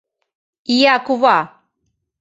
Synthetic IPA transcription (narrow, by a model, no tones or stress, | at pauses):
ijakuva